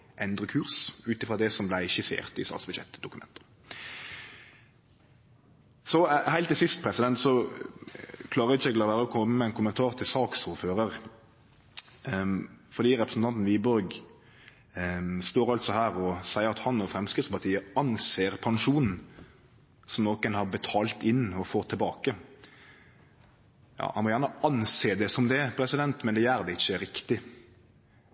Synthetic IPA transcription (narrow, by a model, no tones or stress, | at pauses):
ʔɛnd̪ʁəkʰʉːʁsʉːt̪ɪfʁɑd̪ɛsɔmblæɪɪʃɪsḛːʁt̪ɪst̪ɑ̰ːt̪sb̥ʉd̪jɛ̰t̪ːd̪ʊkʉmɛ̰nt̪ə̥ | sɔhæɪlt̪d̪ɪsɪst̪̚pʰɾɛsɪd̪ɛnt̪sɔ | kʰlɑːʁəɪçɛɡəlɑʋæːɾəɔkʰɔmːəmɛæɪnkʰʊmːənt̪ʰɑːʁt̪ʰɪlsɑːksuːɾføːɾəʁ | fɔd̪iːɾɛpɾəsn̩t̪ɑnt̪n̩ʋiːbɔɾɡ | st̪oːɾɑlt̪sɔhæːɾɔsæɪəɾɑt̪hɑnːoːfɾɛmskɪspɑt̪ʰiːəɑnseːɾpʰɑŋʂuːnn̩ | sɔmnoːkənhɑbɛt̪ʰɑːlt̪ɪnːɔfoːt̪ʰːɪlbɑːkə | jɑ̰ːhɑnmɔjæːʁnəɑnseːd̪ɛsɔmd̪ɛpʰɾɛsɪd̪ɛnt̪mɛnd̪ɛjæːɾd̪ɛɪçːəɾɪkt̪ɪ